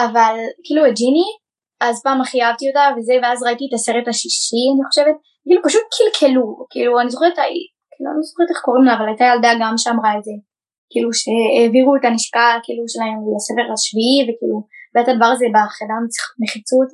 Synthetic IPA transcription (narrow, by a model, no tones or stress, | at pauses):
avalkiːlued͡ʒini | azpaːmaχijavtio̞tave̞ze̞veazʁaitietaseʁetaʃiʃianiχo̞ʃe̞ve̞t̚ | kilupaʃut̚kʰilkʰelukiːluanizoχeʁet̪aji | kiːlua̰nizo̥χeʁt̪eχko̞ʁimlavalajtajaldaɡamʃeamʁaeze̞ | kiːluʃeeviʁuetaniʃkakiːluʃelaemlasefe̞ʁaʃviivekḭːlubeathad̪avaʁazebaχenamt͡siχameχit͡sut